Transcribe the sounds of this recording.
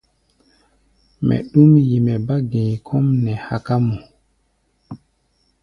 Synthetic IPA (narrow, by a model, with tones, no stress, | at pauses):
mɛ̰˨ɗu˦mji˨mɛ˨ba˦ɡẽ˨kʰɔ˦mnɛ˨ha˨ka˦mu˨